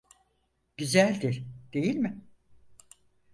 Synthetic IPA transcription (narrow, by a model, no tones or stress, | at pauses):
ɟ̥yzælʲd̪iɾd̪̥e̞jilʲmɪ